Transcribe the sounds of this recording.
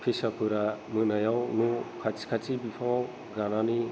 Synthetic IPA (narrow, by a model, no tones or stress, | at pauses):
pʰesapʰɯɾamɯnajawnukʰat͡ʃi̥kʰat͡ʃibipʰaŋaw | ɡanani